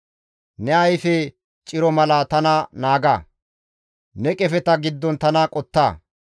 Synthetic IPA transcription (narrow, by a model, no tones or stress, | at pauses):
nɛɐjfɛ | t͡ʃʼɪɾɔmɐlɐt̪ɐnɐnaːɡa̰ː | nɛkʼɛfɛt̪ɐɡɪd̪ːɔnt̪ɐnɐkʼɔt̪ːaː